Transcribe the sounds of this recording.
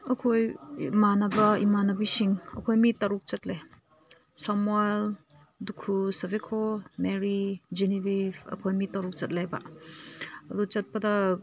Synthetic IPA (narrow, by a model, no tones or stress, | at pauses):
ɐkʰojmanɐbɐḭmanɐbisiŋɐ̰kʰojmitɐɾuk̚t͡ʃɐtle | samwal | dukʰusɐvekʰomeɾid͡ʒinibipʰɐ̰kʰojmitɐɾuk̚t͡ʃɐt̚lajbɐ̰ | ɐdut͡ʃɐt̚pɐdɐ